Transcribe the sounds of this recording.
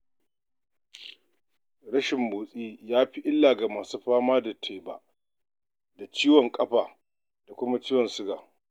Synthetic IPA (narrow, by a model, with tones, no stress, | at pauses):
ɽɐ˦ʃɪ˨mboː˨sʼiː˦jaː˦ɸi˦ʔɪ˦lːaː˨ɡa˨maː˨suː˦ɸaː˦maː˦da˨tʰeː˨ba̰ː˨ | da˨t͡ʃiː˦wɔ˨ŋkʼɐ˦ɸaː˨ | d̥a˨kʷʊ˦ma˦t͡ʃiː˦wɔ˨nsʊ˦ɡaː˨